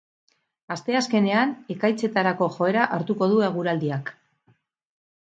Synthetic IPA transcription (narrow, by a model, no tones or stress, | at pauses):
ast̪e̞aske̞ne̞ane̞kajt͡se̞t̪aɾako̞ʝo̞e̞ɾaʔaɾt̪uko̞ð̞ueɣ̞uɾald̪iak